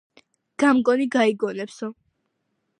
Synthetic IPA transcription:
ɡ̥amɡʼɔniɡaiɡɔnɛpsɔ

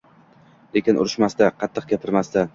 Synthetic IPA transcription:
lekʲɪnʔʊ̰ɾɪʃmast̪aqʰɑt̪ʰːɨq̚ɡʲapʰɪɾmast̪a

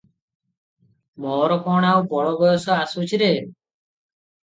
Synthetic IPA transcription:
mɔːɾɔkɔɽ̃aupɔɽɔbɔjɔsɔasut͡ʃʰiɾe

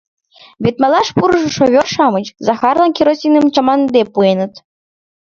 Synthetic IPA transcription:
βʲet̪mɑlˠɑʂpuɾʐɤ̆ʃoβʲorʃɑmɤ̆t͡ɕzɑxɑrlˠɑnkʲiɾosʲinɨmt͡ɕɑmɑnd̪epuenə̆t̪

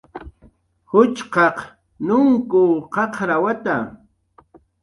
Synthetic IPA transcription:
hʊt͡ʃqɑq | nʊŋkʊqɑqɾawat̪a

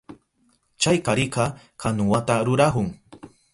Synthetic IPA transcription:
t͡ʃajkaɾɪqɑ | kanʊwat̪aɾʊɾahʊŋ

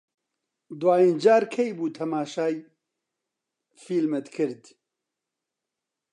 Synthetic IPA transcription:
d̪waːind͡ʒaːɾkʰejbuːt̪ʰɐmaːʃaːj | fiːlmɛt̪kʰɨɾd̪

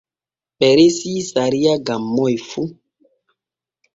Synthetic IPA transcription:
ɓɛɾesisaɾiaɡamːɔjfu

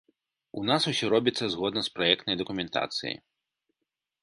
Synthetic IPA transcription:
unasusʲɔɾɔbʲit̪sːɐzɣɔd̪nɐspɾajɛkt̪nɐjd̪ɐkumʲɛnt̪a̰t̪sɨ̰jḭ

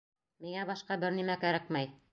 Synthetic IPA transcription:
miŋæbɑʃqɑbɘɾnimækæɾækmæj

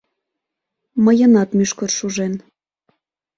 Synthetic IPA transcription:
məjənɑt̪myʃkɤrʃuʒen

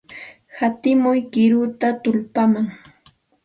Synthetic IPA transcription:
hat̪ɪmʊjkɪɾʊt̪at̪ʊlpamaŋ

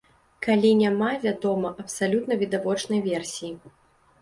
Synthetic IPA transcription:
kalʲinʲamavʲad̪ɔmɐʔɐpsalʲut̪nɐvʲid̪avɔt͡ʂnɐjvʲɛrsʲiji

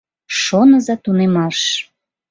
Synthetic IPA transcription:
ʃonəzɑt̪unemɑʃ

